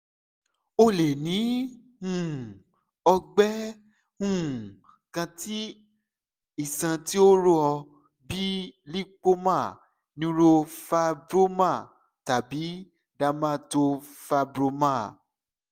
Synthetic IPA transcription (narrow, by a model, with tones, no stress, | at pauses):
o˧le˨nĩ˨˦ | ũ˦˨ | ɔ˧ɡ͡bɛ˦ | hũ˦˨ | kã˧ti˦ | i˦˨sã˧ti˦o˦ɾo˦ɔ˧ | bi˦li˦k͡po˦mãː˦˨ | nĩ˦ɾo˧fa˧bɾo˦mã˦˨ | ta˨bi˨˦ | da˧mã˦˨to˧fa˧bɾo˧mã˦˨